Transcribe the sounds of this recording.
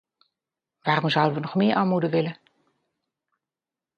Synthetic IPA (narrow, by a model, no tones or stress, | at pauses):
ʋaːrɔmzʌwdəʋənɔχmɪːɹʔaːmudəʋɪlə